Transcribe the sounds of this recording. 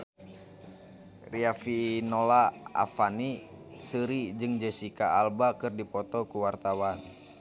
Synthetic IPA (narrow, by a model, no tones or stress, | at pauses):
riafinɔlaa̰fani | səɾid͡ʒɨŋd͡ʒəsikaalbakɨrdipɔt̪ɔkuwart̪awan